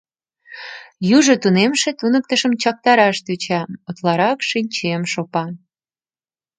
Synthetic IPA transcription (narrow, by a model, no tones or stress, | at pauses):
juʒot̪unemʃet̪unək̚t̪əʃəmt͡ɕɑk̚t̪ɑɾɑʃt̪yt͡ɕɑot̪lɑɾɑkʃinʲt͡ɕemʃopɑ